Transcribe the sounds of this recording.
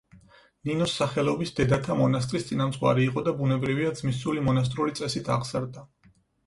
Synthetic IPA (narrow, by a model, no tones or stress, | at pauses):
ninɔsːaχɛlɔbisd̪ɛd̪at̪ʰamɔnast̪ʼɾist̪sʼinamt̪sʼqʼwa̰ɾiːqʼɔd̪abunɛbɾiviad̪zmisulimɔnas̬t̪ʼɾulit̪sʼɛsit̪ʰa̰ʁz̥aɾd̪a